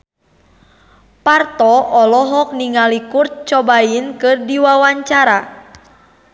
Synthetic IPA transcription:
part̪ɔɔlɔɦɔk̚niŋalikurt̪̚t͡ʃɔbainkɨrdiwawaɲt͡ʃaɾa

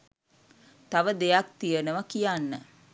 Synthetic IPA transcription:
t̪aʋəd̪ejak̚t̪ijənəʋəkijanːə

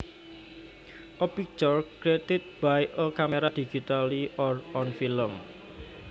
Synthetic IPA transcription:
ʔɔpik̚t͡ʃɔrkɾet̪it̪̚b̥ajʔəkameɾad̪̥id͡ʒit̪aliɔrɔnfiləm

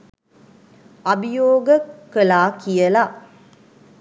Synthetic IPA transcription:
ɐbijoːɡəkːəlaːkijɐla

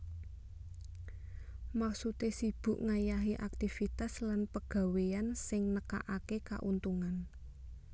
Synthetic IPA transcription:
maksut̪esib̥ṳʔŋajaɦiʔak̚t̪ifit̪aslanpəɡ̥ä̤weansɪŋnəka̰ʔakeka̰ʔunt̪uŋan

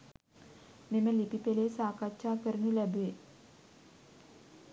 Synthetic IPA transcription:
meməlipipelesaːkatt͡ʃaːkəɾunulæbuʋe

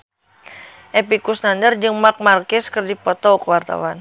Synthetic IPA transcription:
ʔɛpikusnandərd͡ʒɨŋmak̚markɪskɨrdipɔt̪ɔkəwart̪a̰wan

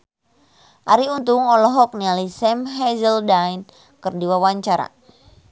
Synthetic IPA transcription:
ʔaɾiunt̪uŋɔlɔɦɔk̚nialisɛmɦɛzəldajn | kərdiwawaɲt͡ʃaɾa̰

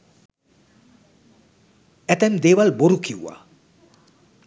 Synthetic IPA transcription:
æt̪ɛmd̪eːʋalboɾukiwṵwa̰

